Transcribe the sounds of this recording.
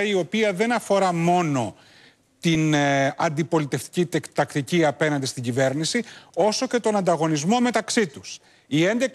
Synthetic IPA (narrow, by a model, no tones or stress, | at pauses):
io̞piɐðe̞nɐfo̞ɾɐmo̞no̞ | t̪inɐnd̪ipo̞lit̪e̞ft̪i̥cit̪ekt̪ɐkt̪iciɐpe̞nɐnd̪ist̪iɲɟive̞ɾnisio̞so̞ce̞t̪o̞nɐnd̪ɐɣo̞nizmo̞me̞t̪ɐksit̪us | ie̞nd̪e̞k